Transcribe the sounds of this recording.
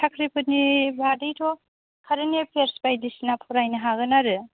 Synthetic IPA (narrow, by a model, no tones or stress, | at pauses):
tʰakʰɾipʰɯnibʱadɯjtʰɔ | kʰaɾɯnepʰeɾspajdisinapʰuɾajnɐɦaɡɯnaɾɯ